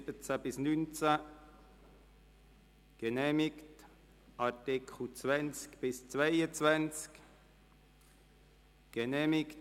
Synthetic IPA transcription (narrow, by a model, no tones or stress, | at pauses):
b̥ət͡sab̥ɪsnynt͡sa | ɡ̥ənɛːmɪkt | ʔɑtɪkʰχl̩t͡svɛnt͡skb̥ɪst͡svaɪət͡svant͡sk | ɡ̥ənɛːmɪkt